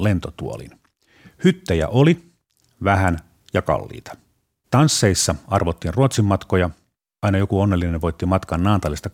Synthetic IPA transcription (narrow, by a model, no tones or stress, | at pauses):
lent̪ot̪uo̰lḭn | hyt̪ːæjæ̰ʔoli | ʋæhæn | jɑkɑ̰lːḭːt̪ɑ̥ | t̪ɑnsːeisːɑɑrʋot̪ːiːnruot̪simːɑt̪kojɑ | ɑinɑjokuonːelːineʋʋojt̪ːimɑt̪kɑnnɑːnt̪ɑlist̪ɑ